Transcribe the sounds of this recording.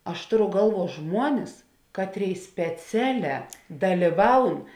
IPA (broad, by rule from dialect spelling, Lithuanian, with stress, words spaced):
ˈɐʃ ˈtoːˌrʊ ˈɡɐlˠˌʋuɔ ˈʒmuɔnʲɪs ˈkɑːtʲˌrʲeːɪ sʲpʲɛˈt͡sʲæːˌlʲɛː dɐlʲiːˈʋɐʊn